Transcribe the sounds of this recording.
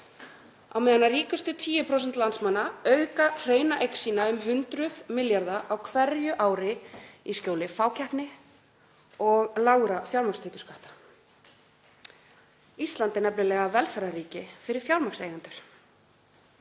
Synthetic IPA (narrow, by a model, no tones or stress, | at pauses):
a̰wmɛːðanːariːkʏst̪ʏt̪ʰiːjʏpʰɾows̬ɛnt̪lant̪smanːaœɥkar̥eːjnaʔejksinaʏmɦʏnt̪ɾʏðmɪljaɾðaʔawkʰvɛɾjʏʔaːwɾɪiscoːwlɪfaːwcʰahpnɪ | ɔɣlaɣɾafjawlɾmakst̪ʰeːcʏ̥skaht̪ḁ | ist̪lant̪ɪnɛplʏlɛːɣavɛlfɛɾðariːcɪfɪɾɪɾ̥fjawɾmaksejɣʏnt̪ʏɾ̥